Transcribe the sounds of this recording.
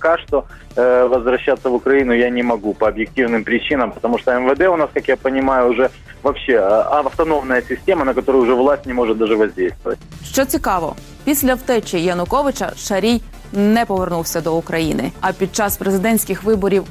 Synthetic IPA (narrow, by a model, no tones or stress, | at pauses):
pɐkaʂt̪o | ʋɐzʋɾɐɕːat̪sɐvʊkɾɐjinʊjanʲɪmɐɡupɐːbjɪk̚tʲivnɨmpɾʲɪt͡ɕinɐmpət̪ɐmuʂt̪ɔɛmvəd̪ɛʊnaskakjapənʲɪmajʊːʐɛ | vɐpɕːeɐft̪ɐnomnɐjəsʲɪsʲtʲemɐnɐkɐt̪oɾʊjʊʐɛvlˠasʲtʲnʲɪmoʐɨt̪̚d̪aʐɨʋɐzʲdʲejst̪ʋə̰ʋə̰t̚ʲʃt͡ʃɔt͡sʲikɑʋɔ̰ | pʲisʲlʲɐwt̪ɛt͡ʃɪjɐnʊkɔʋɪt͡ʃɐ̰ʃɐɾʲij | nɛpɔʋernuwsʲɐd̪ɔʊkɾɐjinɪ̰ɐpʲid̪̚t͡ʃɑspɾezɪd̪ɛnʲsʲkʲɪxʋɪbɔɾʲiw